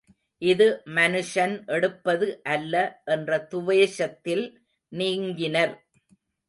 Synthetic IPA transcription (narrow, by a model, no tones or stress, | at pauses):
ʔɪðɯmɐnɯʂɐnʔɛɽɯpːɐðɯʔɐlːɐʔɛndrɐt̪ʊʋeːʂɐt̪ːɪl | niːŋɡɪnɐɾ